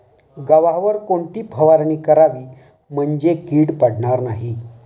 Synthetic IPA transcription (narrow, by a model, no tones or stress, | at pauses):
ɡəʋaɦʋəɾkoɳʈ̪iːpʰəʋaɾɳiːkəɾaʋiː | m̤əɳd͡ʑekiːɽpaɽɳaɾnaɦi